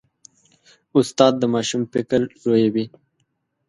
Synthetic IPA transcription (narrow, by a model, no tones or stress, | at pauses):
ʊst̪ɑːd̪̚ːəmɑːʃumpɪkəɾɾojawi